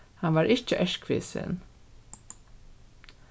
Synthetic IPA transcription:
hanʋaːɾɪʃt͡ʃəʔœʃkʰʋḛːsə̰n

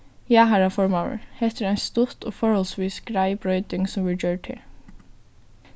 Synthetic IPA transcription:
jæːɦæːɹæfɔɹmɑʊə̰ɹhɛt̪əɾæɪst̪ʊt̪oːfɔɹhɔlsʋiːsɡ̥ɾæɪbɹœʏd̪ɪŋsɔmʋɪd͡ʒøːʈʰɪ̰l

